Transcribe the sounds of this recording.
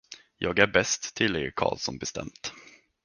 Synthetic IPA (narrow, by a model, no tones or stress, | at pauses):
jɑːɡæɾbɛst̪ʰːɪlːɛkʰɑ̰ːlsɔnbɛst̪ɛ̰mt̪